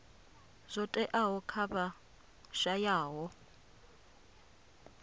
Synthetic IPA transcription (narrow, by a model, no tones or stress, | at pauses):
zʷɔtʼɛʔaɦɔkʰaba | ʃajaːɦɔ